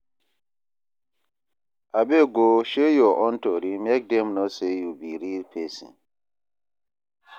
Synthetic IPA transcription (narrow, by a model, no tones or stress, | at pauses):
abeɡoʃejɔʔɔ̃ntɔɾimɛk̚dɛmnɔsejubiɾilpʰesḭ̃